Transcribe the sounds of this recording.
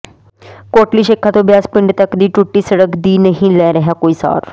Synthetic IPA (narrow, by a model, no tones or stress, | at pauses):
koːʈliːʃɪkʰːat̪õːbɪjaːspɪ̃ɳɖt̪əkd̪iːʈuʈːiːsəɽəkd̪iːnəɦĩlɛːɾəɦaːkoːiːsa̰ːɾ